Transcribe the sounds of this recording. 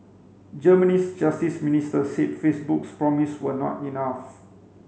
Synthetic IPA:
d͡ʒəmənisd͡ʒastisministəset̚fesbukspɹɔmiswənɔ̰tinaf

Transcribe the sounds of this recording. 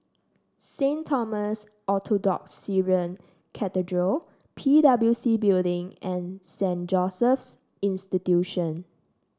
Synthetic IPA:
sẽntʰɔməs | ʔɔtʰodɔ̰ksiɹə̃n | kʰɛtədɹə | pʰidablusibildɪ̃ŋɛ̃nsɛ̃nd͡ʒɔsəfs | ĩnstitjuʃə̃n

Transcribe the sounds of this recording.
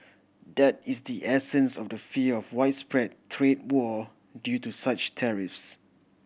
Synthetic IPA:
dɛt̚isdiʔɛsə̃nsɔfdəfiəɔfwaɪtspɹɛd̚tʰɹed̚wɔ | djutusat͡ʃtʰɛɹɪfs

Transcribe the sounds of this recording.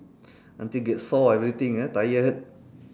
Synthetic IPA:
ãnt̪iɡɛtsɔɛvɾit̪ĩŋət̪ajət̚

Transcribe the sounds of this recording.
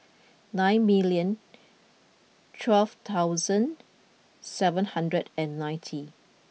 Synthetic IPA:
nãɪ̃nmiljə̃n | tʰwɛlft̪ʰaʊzə̃n | sɛvə̃nhãndɹədɛ̃nːãj̃ntʰi

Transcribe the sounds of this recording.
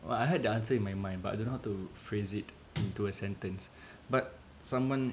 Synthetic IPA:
ʔɛ̰ajɦɛd̚dəãnsəĩnmajmãj̃ndbata̰jdõnhawtufɹezit | ĩntuəsɛ̃ntə̃ns | bat̚ | sãmwãn

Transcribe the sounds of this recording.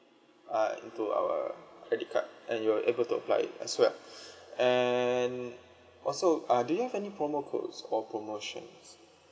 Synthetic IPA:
aḭ̃ntua̰wə̰kʰɹɛdikʰa̰t̚ʔɛ̰̃njuəʔebəltuə̰pla̰jɪ̰tɛ̰swɛlɛn | ʔɔlsoadujuhɛvɛnipɹɔmokʰo̰sɔpɹomoʃɔ̰̃ns

